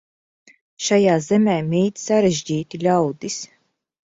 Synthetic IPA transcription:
ʃajaːzɛmʲɛjmiːt̪saɾɛʒʲɟiːt̪ilʲawd̪is

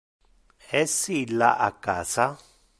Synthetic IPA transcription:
esilaʔakasa

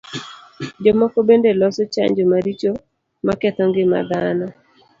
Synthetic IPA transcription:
d͡ʒɔmɔkobendelɔsɔt͡ʃa̰ɲd͡ʒɔmaɾit͡ʃo | makɛt̪ɔŋɡɪma̰d̪anɔ

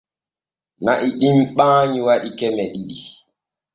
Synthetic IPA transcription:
naʔiɗimɓãːɲiwaɗikɛmɛɗiɗi

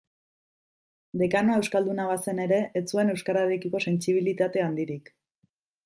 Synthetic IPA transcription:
d̪e̞kanoe̞wskald̪unaβase̞ne̞ɾe̞ʔːt͡sue̞ne̞wskaɾaɾekiko̞se̞nt͡siβ̞ilit̪at̪e̞and̪iɾik

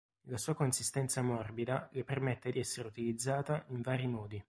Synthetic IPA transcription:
lasuːakonsist̪ɛnt̪samɔrbid̪alepermɛt̪ːed̪iɛsːeɾeut̪ilid̪zːaːt̪aiɱvaːɾimɔːd̪i

